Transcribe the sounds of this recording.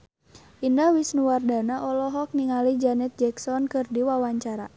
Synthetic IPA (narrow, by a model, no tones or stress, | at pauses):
ʔindawɪsnuwardanaʔɔlɔɦɔk̚niŋalid͡ʒanɛt̪̚d͡ʒɛksɔnkɨrdiwawaɲt͡ʃaɾa̰